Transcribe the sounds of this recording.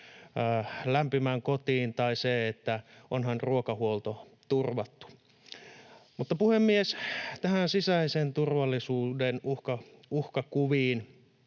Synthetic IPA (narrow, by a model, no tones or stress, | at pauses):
læmpimæŋkot̪iːnt̪ɑiseet̪ːæʔonhɑnruokɑhuolt̪o | t̪urʋɑt̪ːu̥ | mut̪ːɑpuhemːiest̪æhænsisæisent̪urʋɑlːisuːdenuhkɑ | uhkɑkuʋiːn